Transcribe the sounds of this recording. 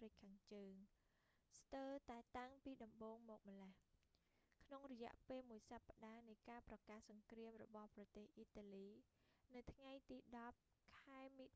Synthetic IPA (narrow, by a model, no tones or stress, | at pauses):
rɨc̚kʰaːŋt͡ɕəːŋ | st̪əːt̪aɛt̪aŋpiːɗɑmɓoːŋmɔːk̚məleh | kʰnoŋrɔjɛ̆əʔpeːlmuəjsapːaɗaːnɨjkaːprɑkaːhsɑŋkriəmrɔ̰ɓɑhprɑt̪eːhʔiːt̪aːliːnɨwt̪ʰŋajt̪iːɗɑp̚ | kʰaɛmiː